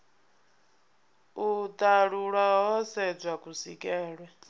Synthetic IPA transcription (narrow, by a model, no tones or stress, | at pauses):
ud̪ʼaɺuɺaɦɔsɛb͡ʐʷakʼusikʼɛːɺwɛ